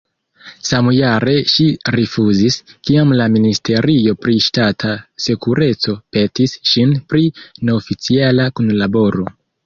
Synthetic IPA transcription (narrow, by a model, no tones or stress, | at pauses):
samujaɾe̞ʃiɾifuziskiamlaministʰe̞ɾʔio̞pɾiʃtatʰase̞kuɾe̞t͡so̞pe̞tisʃinpɾine̞ofit͡sialakunlabo̞ɾo̞